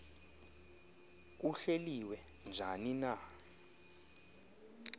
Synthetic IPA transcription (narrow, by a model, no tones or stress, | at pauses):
k̬uɬeliwɛ | nd͡ʒʱanina